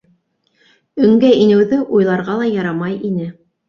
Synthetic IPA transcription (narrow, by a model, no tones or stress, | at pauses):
ɵ̆ŋɡæinɘ̆wðɘʔujlˠɑɾʁɑlˠɑjɑɾɑmɑjʔinɘ